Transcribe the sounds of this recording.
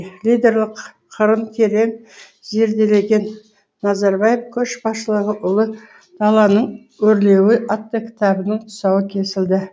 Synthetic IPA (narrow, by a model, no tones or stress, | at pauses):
lʲijd̪ʲe̞ɾlˠəq | qʰəɾəmk̪ʲʰeɾe̞m | ze̞ɾd̪e̞le̞ɡʲe̞nː | ɑzɑɾbɑjefkʲʰɵʃbɑsʃəlˠəʁəʔʊlˠə | d̪̥ɑlˠɑnəɴ | wɵɾle̞wɪʔɑt̪ːəkʲʰɪ̥t̪ɑbənəɴt̪ʰʊ̥sɑwəkʲʰe̞sɪld̪ɪ